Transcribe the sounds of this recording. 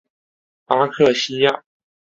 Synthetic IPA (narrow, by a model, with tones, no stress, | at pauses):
a˥kʰɤ˥˩ɕi˥ja˥˩